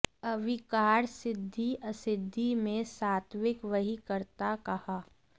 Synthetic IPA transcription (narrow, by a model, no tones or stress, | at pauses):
ɐʋɪkaːɾsɪd̪ʱːiʔɐsɪd̪ʱːimẽsaːt̪ʰwɪkʋɐɦikəɾt̪akɐhaː